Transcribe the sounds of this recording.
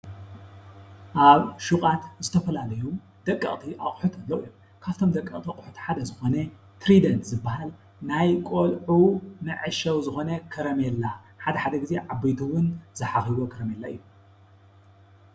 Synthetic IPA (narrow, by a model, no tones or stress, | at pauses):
ʔaβʃukʼat̪zɨt̪ʰɐfɐlalɐju | d̪̥ɐkʼːɐ̰χʼt̪ʰiʔaχʼħut̪ɐnlɐwijːom | kʰaβt̪ʰomd̪ɐkʼːɐkʼt̪ʰiaχʼħut̪ʰħad̪ɐzɨxo̞nɐ | t̪ʰɾid̪ɐnzɨbːahal | najkʷʼolʕunɨʕɨʃɐwzɨxo̞nɐkʰɨɾɐmelːa | ħad̪ɐħad̪ɐɡɨzeʕabijd̪uwʊnzɐħaxiβokʰɨɾɐmelːaɨ̰jːu